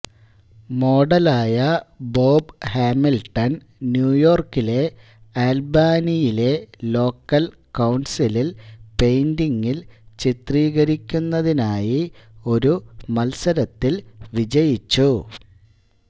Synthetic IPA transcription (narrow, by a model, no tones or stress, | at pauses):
mo̞ːɖɐlaːjɐbo̞ːbhaːmilʈɐn | njuːjo̞ːrkile̞ | aːlbaːnijile̞lo̞ːkːɐl | kɐwɳsililpe̞jndiŋːilt͡ɕit̪riːɣɐɾikʲːunːɐðinaːjio̞ɾumɐlsɐɾɐt̪ːilʋid͡ʑɐjit͡ɕːu